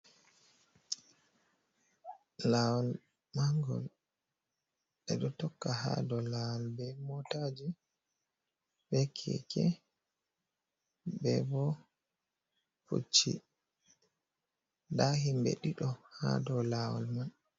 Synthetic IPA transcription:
lawɔl | maŋɡɔ̰l | ɗɛɗɔtɔkːaha̰dɔlawɔlbɛmɔtad͡ʒi | bɛkʰɛ̰kʰɛ | bɛbɔ | fṵt͡ʃːḭ | daɦimbɛ̰ɗiɗɔha̰dɔlawɔ̰lman

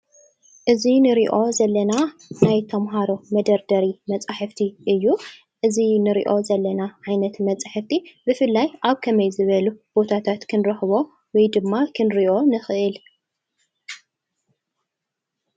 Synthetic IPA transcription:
ʔɨzinɨɾiʔo̞zɐlːɐnanajt̪ʰɐmɦaɾo̞mɐd̪ɐɾd̪ɐɾimɐt͡sʼaħɨft̪ʰiʔɨjːu | ʔɨzinɨɾḭʔo̞zɐlːɐnaʕajnɐt̪mɐt͡sʼaħɨft̪ʰibɨfɨlːajaβkʰɐmɐjzɨβɐlub̥o̞t̪ʰat̪ʰat̪kʰɨnɾɐħɨβo̞ | wɔjd̪ɨmːakʰɨnɾiʔo̞nɨxɨʔɨl

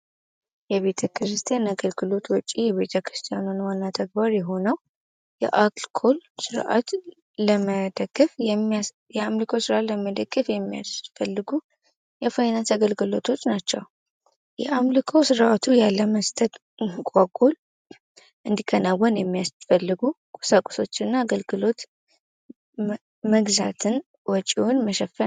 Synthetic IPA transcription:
jɛβe̞t̪ʰəkʰɾɨst̪ʰijanaɡəlɡɨlo̞t̪wɔt͡ʃʼːijɛβe̞t̪ʰəkɾɨst̪ʰijanonwanːat̪ʰəɡ̚baɾjɛɦo̞nəw | jɛ̰ʔakʼlkʰolsɨɾʔa̰t̪ | ləməd̪əɡ̥ːɨf | jɛamlɨkʰosɨɾat̪ləməd̪əɡ̥ʼːɨfjɛmːija̰sfəlːɨɡu | jɛfajnat̪ʰəɡəlɡɨlo̞t̪ʰo̞t͡ʃːnat͡ʃːɛw | jɛʔamlɨkʰosɨɾʔat̪ʰujalːəməst̪ʰʼət̪ | kʼakʼol | ʔɨnd̪ikʰənawːənjɛmːijasfəlːɨɡu | kʼu̥sakʼso̞t͡ʃːɨnːaːɡəlɡɨlo̞t̪ | məɡzat̪ʰɨn | wɔt͡ʃʼiwonməʃɛfːə

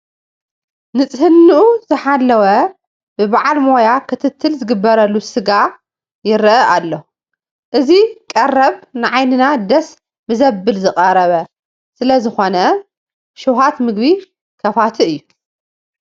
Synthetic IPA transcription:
nɨt͡sʼhɨnːɨʔuzɨħalːɐwɐ | bɨbaʕalmo̞jakʰɨt̪ʰɨt̪ʰːɨlzɨɡɨbːɐɾɐlːusɨɡa | jɪɾʔɐʔalːo | ʔɨzikʼɐrːɐβnɨʕajnɨnad̪ɐs | mɨzɐbːɨlzɨkʼɐɾɐβɐ | sɨlɐzɨxo̞nɐ | ʃuɦat̪mɨɡbi | kʰɐfat̪ʰiɨjːu

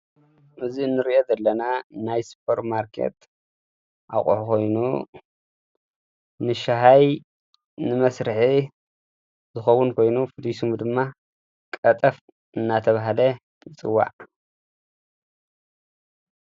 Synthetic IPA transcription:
ʔɨziɨnːɨɾiʔozɐlːɐnanajsu̥pʰɐɾmaɾkʰḛt̪ | ʔa̰kʼṵħukʰo̞jnu | nɨʃaɦaj | nɨmɐsɾɨħi | zɨxɐwunkʰo̞jnufɨd̪isumd̪ɨmːa | kʼɐt̪ʼɐf | ʔɨnːat̪ʰɐβaɦlɐ | t͡sʼɨwːa̰ʕ

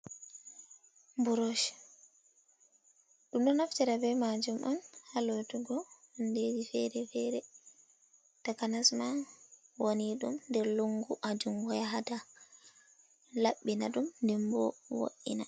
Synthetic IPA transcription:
mbuɾoʃ | ɗumɗɔnaftɛɾabɛmad͡ʒumʔanhalotuɡɔ | nded͡ʒifɛɾɛfɛɾɛ | takanasmawoniɗṵmndɛɾluŋɡuʔad͡ʒumɡɔjaɦata | laɓːinaɗumndɛmbɔ̰wo̰ʔina

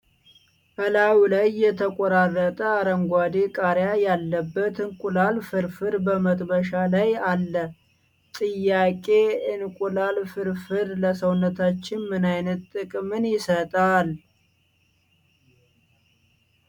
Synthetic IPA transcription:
həlawilajːɛt̪ʰəkʼɔɾarːət̪ʼəaɾəŋɡʷad̪ikʼaɾjajalːəbːət̪ɨnkʼulalfɨɾfɨɾbəmət̪ʼbəʃalajalːə | t̪ʼɨjːakʼe̞ɨnkʼulalfɨɾfɨɾləsəwnːət̪ʰat͡ʃːɪnmɨnajnət̪t̪ʼːɨkʼmɨnjɪsət̪ʼal

